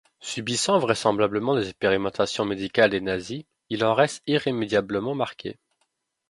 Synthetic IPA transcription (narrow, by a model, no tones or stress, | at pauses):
sybisɑ̃vʁɛsɑ̃blabləmɑ̃d̪ezɛkspeʁimɑ̃t̪asjɔ̃med̪ikald̪enazi | ilɑ̃ʁɛst̪iʁemed̪jabləmɑ̃maʁkʲʰḛ